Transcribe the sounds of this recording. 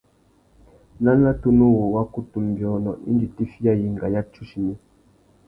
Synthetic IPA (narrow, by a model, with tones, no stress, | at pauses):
na˦na˦tu˦nu˦wo˨wa˦ku˦tu˨m˨bjɔ˨nɔ˨ʔḭ˦nd͡ʒi˨ti˦fi˦ja˦ji˨ŋ˨ɡa˨ja˦t͡ʃu˦ʃi˨ni˦